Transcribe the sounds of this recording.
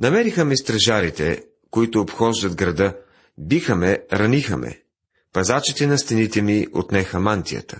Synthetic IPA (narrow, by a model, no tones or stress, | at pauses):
nɐmɛɾixəmist̪ɾɐʒaɾit̪ɛ̰ | koit̪oːpxɔʒd̪ɐt̪ɡɾɐd̪ɤ | bixəmɛɾɐnixəmɛ̰ | pɐzat͡ʃit̪ɛnɐst̪ɛnit̪ɛmiʔo̰t̪nɛxɐmant̪ijə̰t̪ə